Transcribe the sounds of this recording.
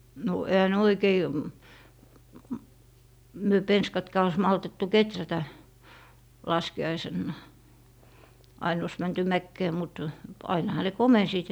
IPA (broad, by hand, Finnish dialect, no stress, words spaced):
no ehæ ne oikei m myø penskɑtkɑː ois mɑltetːu ketrætæ lɑskiɑisenːɑˑ ɑin ois mænty mækːeː mut ɑinɑhɑ ne komensiːt